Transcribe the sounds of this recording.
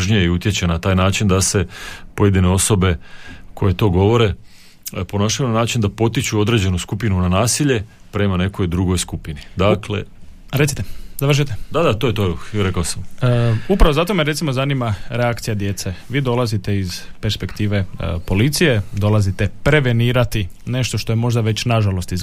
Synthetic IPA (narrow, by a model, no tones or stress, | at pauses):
ʒɲijeiut̪jet͡ɕenat̪aːjnaːt͡ʃind̪ase̞po̞je̞d̪ine̞o̞so̞be̞kʰo̞je̞t̪o̞ːɡo̞ʋo̞ɾe̞ | po̞noʃajunanaːt͡ʃind̪apo̞t̪it͡ɕuo̞d̪ɾe̞ːd͡ʑe̞nuskupinunanaːsiʎe̞ | pɾe̞mane̞ko̞jd̪ɾuɡojskupinid̪akle̞̰ | ɾesi̥t̪ezaʋr̩ʃ̬ijt̪ed̪ad̪at̪ojet̪oɾekaosamupɾaʋo̞zat̪o̞meɾesimo̞zaniːmaɾeakt̪sijad̪je̞t̪seʋiːd̪o̞lˠazit̪e̞iz̥pe̞ɾspe̞kt̪iːʋe̞po̞lit̪sije̞d̪o̞lazit̪e̞pɾe̞ʋe̞niːɾat̪i | ne̞ʃt̪o̞ʃt̪ojemo̞ʒd̪aʋe̞t͡ɕnaʒalo̞st̪iz